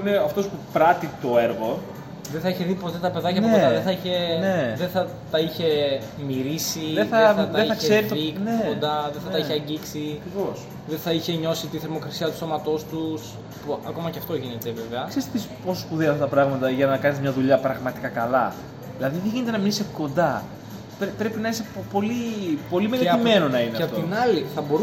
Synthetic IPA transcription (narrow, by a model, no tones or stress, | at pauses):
ineɐft̪o̞spupɾɐt̪it̪o̞e̞ɾɣo̞ | ðeθɐiçe̞ðipo̞t̪et̪ɐpe̞ðɐcɐeoɐðeθɐiçe̞neðeθɐ | t̪ɐiçe̞ | miɾisiðeθɐeɐt̪ɐeiθɐçkseseɾit̪ineond̪ɐðθɐt̪ɐiçeɐɲɟiksiɐkɾivos | ðenθɐiçe̞ɲo̞sit̪iθe̞ɾmo̞kɾɐsiɐt̪u̥so̞mɐt̪o̞st̪us | puɐ̰ko̞mɐceɐft̪o̞ʝine̞t̪e̞ve̞veɐkseist̪et̪isposspuðeɐft̪ɐt̪ɐpɾɐɣmɐt̪ɐʝɐnɐkɐnizmɲɐðuʎɐpɾɐɣmɐt̪ikɐkɐlɐ | ðilɐðiðeʝinet̪enɐmiɾiseko̞nd̪ɐ | pɾepɾe̞pinɐisepo̞lipo̞limeleime̞no̞nɐineɐeɐpot̪oinɐliθɐbo̞ɾu